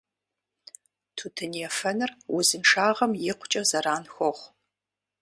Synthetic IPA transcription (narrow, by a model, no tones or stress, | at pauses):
tʰuːtʰɨniɛfɐnɨrwʊzɨnʂaːʁɐmjɪqʷʊt͡ʃʼɐzɐɾaːnxʷɔχʷ